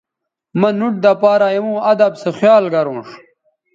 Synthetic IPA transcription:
mɐnuʈ̚d̪ɐpaːɾajemũːɐd̪ɐbsexjaːlɡɐɾõːʂ

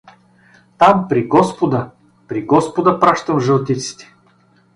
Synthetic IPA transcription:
t̪ampɾiɡɔspod̪ə | pɾiɡɔspod̪əpɾaʃt̪əmʒəlˠt̪it̪si̥t̪ɛ̥

